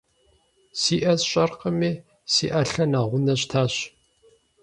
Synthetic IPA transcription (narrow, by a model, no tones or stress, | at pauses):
siːʔɐzɕʼɐrqəmiː | sḭːʔɐɬɐnaːʁʷʊnɐɕtʰaːɕ